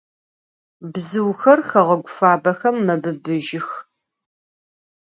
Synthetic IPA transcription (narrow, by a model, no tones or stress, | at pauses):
bzɨwxɐrxɐʁɐɡʷʊfaːbɐxɐmːɐbɨbɨʒɪx